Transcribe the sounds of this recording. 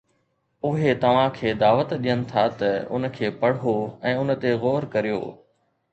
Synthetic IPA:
ʊɦet̪ɐʋ̤ãkʰeːd̪aːʋət̪ɗijənɪ̆t̪ʰat̪ɐʊ̰n̆kʰeːpɐɽ̤oɛ̃ːʊnt̪eɣɔːɾkɐɾijo̰ː

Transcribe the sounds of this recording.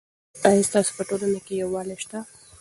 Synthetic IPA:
ajist̪ɑso̥pəʈolanakejawːɑleʃt̪a

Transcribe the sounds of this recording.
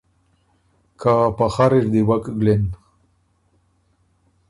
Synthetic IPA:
kapaxaɾiʐd̪iwakɡlen

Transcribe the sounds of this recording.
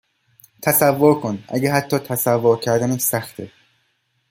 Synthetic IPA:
t̪ʰæsævːoɾkʰonʔæ̰ɟeɦæt̪ʰːɒːt̪ʰæsævːoɾcʰæɾd̪æniːsæxt̪ʰe

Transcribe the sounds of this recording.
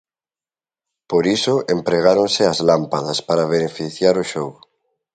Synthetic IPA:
poɾisoʔempɾeɣaɾonseazlampaðaspaɾaβ̞enefiθjaɾoʃow

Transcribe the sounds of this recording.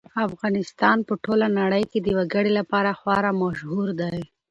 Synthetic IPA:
afɣɑnɪst̪ɑnpəʈolanaɽəjked̪əwaɡəɽelapɑɾaxwɑɾamaʃhuɾd̪aj

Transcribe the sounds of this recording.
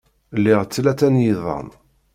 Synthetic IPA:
lːɪʁt͡sːlæt͡sːænjiðˤɑ̰n

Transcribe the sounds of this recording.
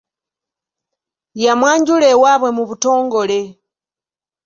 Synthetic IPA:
jamwaːɲɟule̞waβwe̞muβuto̞ːŋɡo̞le̞

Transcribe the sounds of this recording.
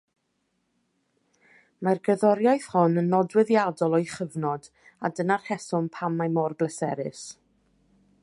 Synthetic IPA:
marɡəðɔɾjajθhɔnənːɔdwɪðjadɔlˠɔjχəvnɔd̥ | adənarhɛsʊmpʰamːajmɔrblˠəsɛɾɪs

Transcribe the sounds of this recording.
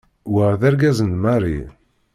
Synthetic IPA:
wəʁðæɾɡæzənmaɾḭ

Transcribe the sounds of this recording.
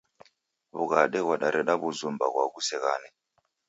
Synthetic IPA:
βuɣaɗɛwaɗaɾʔɛɗaβuzumbaɣwaɣusɛɣaːnɛ

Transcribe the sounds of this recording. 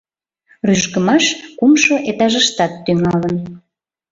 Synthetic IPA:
ryʒʃɣəmɑʃkumʃoʔet̪ɑʒəʃt̪ɑt̪ːyŋɑlən

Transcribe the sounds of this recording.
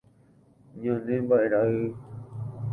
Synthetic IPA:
ɲãnĩbaiɾaɨ

